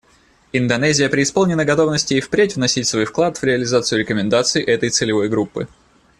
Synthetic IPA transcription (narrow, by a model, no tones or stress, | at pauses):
ɪnd̪ɐnɛzʲɪjəpɾʲɪɪspolˠnʲɪnəɡɐt̪o̞vnəsʲtʲɪːfpɾʲetʲvnɐsʲitʲsvo̞jfklˠat̪v̥ɾʲɪɐlʲɪzat̪sɨjʊɾʲɪkəmʲɪnd̪at̪sɨɪʔɛt̪əjt̪sɨlʲɪvo̞jɡɾupːɨ̰